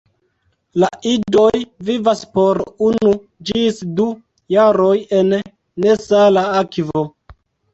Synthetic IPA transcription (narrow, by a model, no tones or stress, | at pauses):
laʔido̞jvivaspoɾunu | d͡ʒisdu | jaɾo̞je̞nː | e̞salaakvo